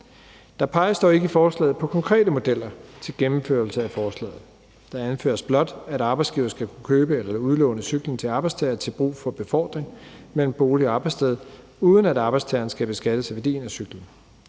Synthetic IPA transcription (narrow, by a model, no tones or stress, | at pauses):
d̥ɑ̈pʰɑ̈ɪəsd̥ɒ̰ːe̝ɡ̥əifɒːslɛ̰ːð̩ˠpʰɒ̽kʰɒ̽ŋkʰʁɛ̰ːdəmo̝d̥el̰ɐt͡sʰe̝lɡ̥emm̩føɐl̩səæfɒːslɛ̰ːð̞̩ˠ | d̥ɑ̈ænfø̰ːɐsb̥lɒ̽d̥æɾɑ̈ːb̥ɑsɡ̥ḭːʊɐsɡ̥ækʰu̥kʰøːb̥əelɐuð̞ˠlɔ̽ʊnəsyɡ̥lən̩t͡sʰe̝lɑ̈ːb̥ɑɪst͡sʰɛːɐt͡sʰe̝lb̥ʁṵːfɒ̽b̥e̝fɒ̰ːd̥ʁeŋmel̰m̩b̥o̝ːliɑ̈ːb̥ɑɪst͡sʰeð̞ˠ | uːð̞ˠən̩æɾɑ̈ːb̥ɪdst͡sʰɛːɐnsɡ̥æb̥e̝sɡ̥æd̥əsæʋæɐd̥ḭːnæsyɡ̥lən̩